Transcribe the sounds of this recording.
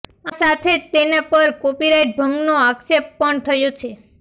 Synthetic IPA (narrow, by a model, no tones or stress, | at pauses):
asat̪ʰet̪enepəɾkopiɾaiʈ̚bʱəŋɡnoaksepːəɳt̪ʰəjot͡ʃʰe